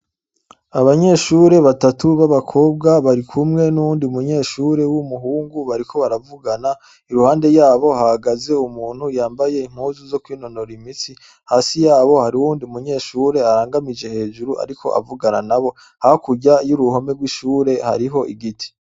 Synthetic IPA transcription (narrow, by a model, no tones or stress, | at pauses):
aβaɲe̞ːʃuɾe̞βatatuβaβakʰo̞ːb̚ɡaβaɾikʰumŋe̞nuuːndiumuɲe̞ːʃuːɾe̞wumuɦuːŋɡuβaɾikʰo̞βaɾavuɡana | iɾuhaːnde̞jaːβo̞hahaɡaze̞umuːn̥hujaːmbaje̞im̥huːzuzo̞kwiːno̞noɾimit͡si | haːsijaːβo̞haɾiuwuːndiumuɲe̞ːʃuːɾe̞aɾaːŋɡamid͡ʒe̞he̞ːʒuɾuʔa̰ɾikʰo̞̰ʔa̰vuɡana̰naβo̞ | hahokuɟajuɾuho̞me̞ɡwiʃuːɾe̞ha̰ɾiɦo̞ʔiɡitʰi̥